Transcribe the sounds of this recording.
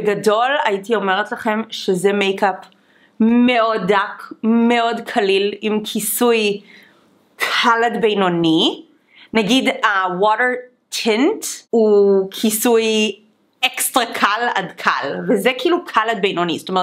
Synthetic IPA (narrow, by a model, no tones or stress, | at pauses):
beɡado̞lajitio̞meʁetlaχe̞mʃezemejkap | meodakmeo̞dkʰalilimkʰisuj | kʰaladbejnoni | naɡidawɔɾeɹ | tʰẽntukʰisuj | ekstʁakʰala̰dkʰa̰lvezekiːlukʰalad̚bejnonisotome